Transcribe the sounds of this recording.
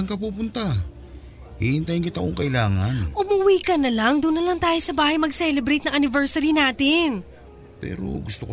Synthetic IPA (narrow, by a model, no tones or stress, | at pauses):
ŋkɐpuːpʊnt̪a | hihɪnt̪ajɪŋkɪt̪ɐkoŋkɐʔɪlaːŋɐnʔʊmuwiːkɐnɐlaŋd̪ʊnːɐlaŋt̪aːjosɐbaːhɐjmɐɡsɛːlɛbɾejt̪nɐŋʔɐnɪvɛɹsɐɾinaːt̪ɪn | pɛ̰ːɾo̰ɡʊst̪ok